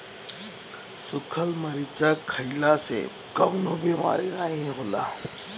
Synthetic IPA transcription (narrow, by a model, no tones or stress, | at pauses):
sʊkʰəlmɐɾit͡ʃakʰəɪlasḛ | kɐmnobʱima̰ːɾeɾaːẽɦɛ̃ɣʊla̰ː